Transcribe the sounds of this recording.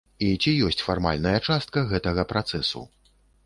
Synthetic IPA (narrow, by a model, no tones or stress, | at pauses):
it͡sʲijɔsʲt͡sʲfarma̰lʲnɐjɐt͡ʂast̪̚kɐɣɛt̪ɐɣɐpɾat̪sɛsṵ